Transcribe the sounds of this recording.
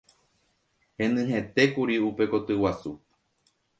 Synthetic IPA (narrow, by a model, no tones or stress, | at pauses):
hẽ̞nɨ̃ɦẽ̞t̪e̞kuɾiupe̞ko̞t̪ɨwasu